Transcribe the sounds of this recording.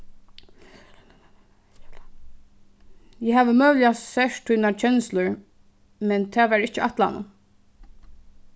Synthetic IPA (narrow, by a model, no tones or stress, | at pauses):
jɛɦaːʋəmœːlɪjasɛʂt̪ʰujnat͡ʃʰɛnslʊɹ | mɛnt̪ʰɛːʋɛɹɪt͡ʃəat̪la̰nə̰